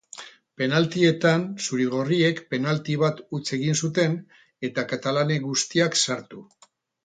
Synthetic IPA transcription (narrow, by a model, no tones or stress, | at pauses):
pe̞nalt̪ie̞t̪ansuɾiɣ̞o̞rie̞kpe̞nalt̪iβ̞at̪ut͡se̞ɣinsut̪e̞n | e̞t̪akat̪alane̞ɣust̪iaksaɾt̪u